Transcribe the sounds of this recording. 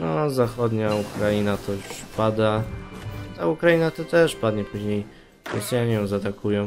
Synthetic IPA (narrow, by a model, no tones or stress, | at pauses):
nɔzaxɔd̪ɲaukɾainat̪ɔjuʂpad̪a | t̪aukɾajinat̪ɔt̪ɛʂpad̪ɲɛpuʑɲej | ɔsjaɲɛjɔ̃w̃zat̪akujɔ̃